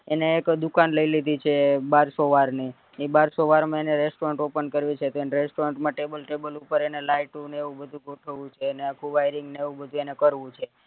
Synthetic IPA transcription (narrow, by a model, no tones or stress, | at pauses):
eneːkd̪ukanləilid̪ʱit͡ʃʰebaɾsoʋaɾni | ibaɾsoʋaɾmãeneɾesʈoɾəɳʈopənkəɾʋit͡ʃʰet̪oenɾesʈoɾeɳʈmãʈebəlʈebəlupəɾenelaiʈũneeʋũbəd̪ʱũɡoʈʰəʋũt͡ʃʰeːneakʰũʋajɾiŋɡneeʋũbəd̪ʱũenekəɾʋũt͡ʃʰe